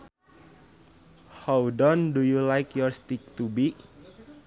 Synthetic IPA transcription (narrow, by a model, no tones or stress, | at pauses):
hawdɔndujulajkjɔɹst̪ik̚t̪ubi